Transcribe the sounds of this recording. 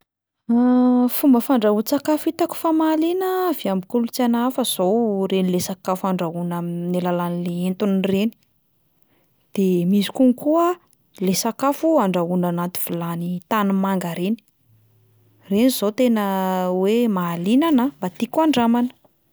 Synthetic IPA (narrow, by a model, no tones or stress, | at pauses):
fumbəfaɳɖ͡ʐaɦut͡sakafit̪aku̥famaːlinəviambikulut͡sanafəz̥owrenilesakafaɳɖ͡ʐaɦunaminelalanileent̪unreni̥ | d̪̥emisi̥kuŋkuə | lesakafuaɳɖ͡ʐaɦunanat̪i̥v̥ilanit̪anumaŋɡaɾeni̥ | reniz̥ot̪enəwemaːlinanambat̪ikuaɳɖ͡ʐamanə̥